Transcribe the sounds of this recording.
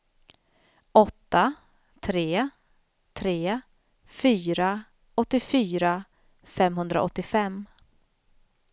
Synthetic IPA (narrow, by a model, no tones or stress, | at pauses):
ɔt̪ːa | t̪ʰɾeː | t̪ʰɾeː | fyːɾa | ɔt̪ːɪfyːɾa | fɛmɦɵnd̪ɾaʔɔt̪ːɪfɛmː